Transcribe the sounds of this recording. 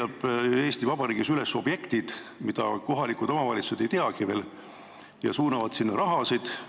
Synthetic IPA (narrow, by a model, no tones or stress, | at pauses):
ɑb̥e̞ːst̪ivɑb̥ɑɾiːɡ̥isylesːo̞b̥je̞kt̪id̪̥mid̪̥ɑ̰ko̞ɦɑlikˑud̪̥o̞mɑvɑlʲit̪su̥sed̪ejt̪eɑɡive̞ːl | jɑ̰suːnɑvɑd̪̥sinːɑɾʔɑɦɑsid̪̥